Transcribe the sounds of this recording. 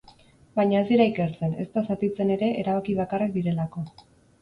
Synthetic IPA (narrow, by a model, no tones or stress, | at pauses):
bajɲaesiɾaike̞ɾt͡se̞ne̞st̪asat̪it͡se̞ne̞ɾe̞ʔeɾaβakiβakarak̚d̪iɾe̞lako̞